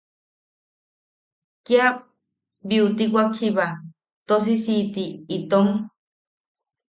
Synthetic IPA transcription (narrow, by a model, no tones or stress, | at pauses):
kja | biut̪ikʷakʰiβa | t̪os̬isit̪iːt̪oŋ